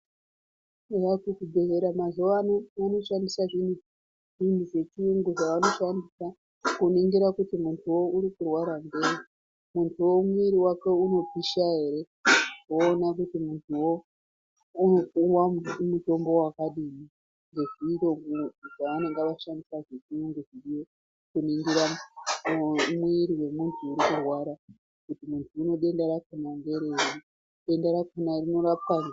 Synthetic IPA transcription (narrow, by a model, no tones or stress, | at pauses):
ejakukubʱeɦeɾamazoʋanoano̞ʃandisaʐin̤u | ʐintuʐe̞t͡ʃiuŋɡoʐaʋano̞ʃandisa | kuniŋɡeɾakutimuntʰuwo̞uɾikurwaɾambe̞ːɾi | muntʰuwo̞mwiɾiwake̞uno̞piʃaɦe̞ɾe̞ | oːnakutimuntʰuwo | uwamuto̞mbo̞wakaɗimi | ŋɡe̞ʐiːto̞ŋuʐaʋane̞ŋɡeʋaʃandisaʐikiuŋɡeʐiɾijo | kuniŋɡiɾa | mwiɾiwe̞muntʰuːɾikurwaɾa | kutimuntʰuːno̞ɗe̞ndeɾakunambe̞ɾeiri | ɗe̞ndeɾakunarino̞ɾap̚ana